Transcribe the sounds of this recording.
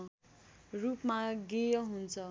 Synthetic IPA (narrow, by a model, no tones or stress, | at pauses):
rupmaɡejʌɦunt͡sʰʌ